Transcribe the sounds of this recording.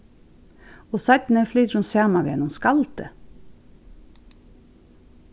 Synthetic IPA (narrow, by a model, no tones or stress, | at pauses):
oːsɑt̪n̩əflyːt̪ɾunsæːmɑʋjɛ̰nʊmskɑlt̪ə̰